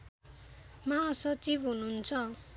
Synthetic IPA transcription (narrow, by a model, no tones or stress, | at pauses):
maːsʌt͡sibɦununt͡sʰʌ